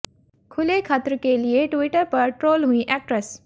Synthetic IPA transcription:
kʰʊlekʰaːt̪əɾəkelieʈʋiʈəɾpɐɾʈɾoːlɦũĩʔɛk̚ʈɾəs

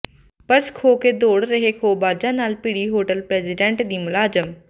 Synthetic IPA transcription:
pəɾskʰoːked̪oːɽɾəɦekʰoːbaːd͡ʒãːnaːlpiɽiːɦoːʈəlpɾɛːzɪɖẽːɳʈd̪iːmʊlaːzəm

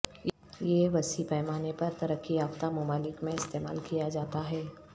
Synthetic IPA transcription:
jeʋɐsipɛːmaːnepɐɾt̪ɐɾəkːiaːft̪amʊmaːlɪkmẽɪst̪eːma̰ːlkijad͡ʒaːt̪aɦɛː

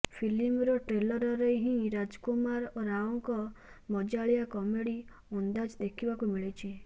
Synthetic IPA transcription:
pʰilimɾɔʈɾelɔɾɔɾeɦĩɾad͡ʒkomaɾoɾaɔŋkɔ | mɔd͡ʒaɭijakɔmeɽi | und̪ad͡ʒd̪ekʰibakumiɭet͡ʃʰi

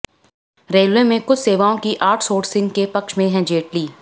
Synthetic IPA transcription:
ɾeːlʋemẽkʊt͡ʃʰseːʋaːõkiʔaːʈʰsoːʈsɪ̃ŋɡkepɐkʃmẽɦɛ̃d͡ʒeːʈliː

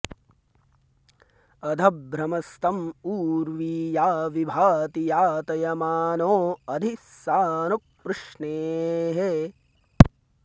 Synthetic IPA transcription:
ɐd̪ʱɐbɾɐmɐst̪ɐmuːɾʋiːjaːʋibʱaːt̪ijaːt̪ɐjɐmaːnoːɐd̪ʱisaːnuk̚pːɾʊʂɳeːɦe

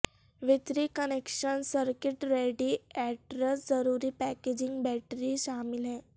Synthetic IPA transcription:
ʋit̪ɾiːkənekʃənsəɾkiʈɾeɖiɛʈɾəsd͡zəɾuːɾiːpɛked͡ʑiŋɡbɛʈɾiːɕamilɦɛ̃

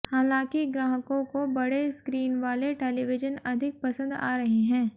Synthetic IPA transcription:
haːlãːkiɡɾaːɦəkõkobɐɽeskɾiːnʋaːleʈeːliʋɪd͡ʒənɐd̪ʱɪk̚pɐsə̃nd̪a̰ːɾɐɦeɦɛ̃ː

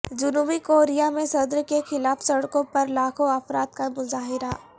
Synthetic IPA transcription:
d͡ʒʊnubikoːɾijamẽsɐd̪ɾkexɪlaːfsɐɽkõpɐɾlaːkʰoɐfɾaːt̪̚kamʊzaːɦɪɾa

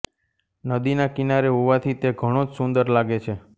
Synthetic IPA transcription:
nəd̪inakinaɾeɦoʋat̪ʰit̪eɡʱəɽ̃õd͡ʒsund̪əɾlaɡet͡ʃʰe

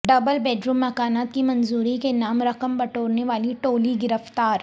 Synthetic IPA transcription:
ɖɐbəlbɛːɖɾuːmːɐkaːnaːt̪kimɐnzuːɾikenaːmɾɐqəmbɐʈoːɾneʋaːliʈoːliɡɪɾəft̪aːɾ

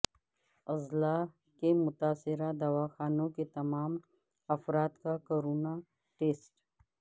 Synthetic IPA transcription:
ɐzla | kemʊt̪aːsɪɾad̪ɐwaːxaːnõket̪ɐmaːm | ɐfɾaːt̪kakoːɾuːna | ʈeːsʈ

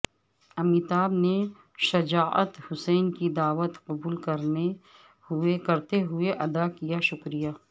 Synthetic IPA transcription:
ɐmiːt̪aːbne | ʃɐd͡ʒaːʔə̰t̪hʊsɛːnkid̪aːʋət̪qɐbuːlkɐɾne | hʊekɐɾt̪eɦʊeʔɐd̪akijaʃʊkɾijaː

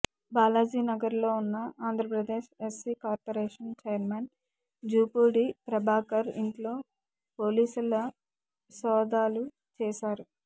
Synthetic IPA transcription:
baːlaːd͡ʒiːnɐɡɐɾlo̞ːunːɐaːnd̪ʱɾɐpɾɐd̪eːʃesiːkaːɾpoɾeːʂɐnt͡ʃejɐɾmen | d͡ʒuːpuːɽipɾɐbʱaːkɐɾiɳʈlo̞ː | poːliːsulɐ | sɔːd̪aːlu | t͡ʃɛːʃaːɾu

